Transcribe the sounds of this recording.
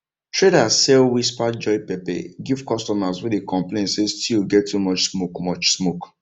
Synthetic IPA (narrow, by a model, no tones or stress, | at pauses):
tɹedasɛlwispad͡ʒɔɪpɛpɛ̰ɡivkɔstɔmaswɛdekɔ̃mplẽnsestʰilɡɛtːumɔt͡ʃsmokmɔt͡ʃsmok